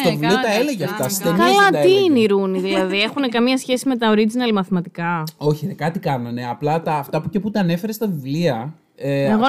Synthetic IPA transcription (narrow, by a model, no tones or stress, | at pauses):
t̪ovivliot̪ɐeleʝeɐft̪ɐst̪ekɐlɐtt̪iineiɾuniðilɐðie̞xunekɐmɲɐsçe̞sime̞t̪ɐo̞ɾid͡zinɐlmɐθimɐt̪ikɐo̞çiðekɐt̪ikɐnɐne̞ɐplɐt̪ɐːft̪ɐpuceput̪ɐːne̞feɾest̪ɐvivliɐ | eeɣo